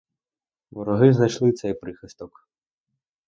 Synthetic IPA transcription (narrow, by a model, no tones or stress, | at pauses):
ʋɔɾɔɦɪznɐjʃlˠɪt̪sɛjpɾɪxɪst̪ɔk